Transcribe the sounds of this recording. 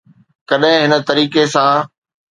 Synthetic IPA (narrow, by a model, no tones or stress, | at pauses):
kɐɗɦɪ̃ɦɪnə̆t̪ɐɾiːkesã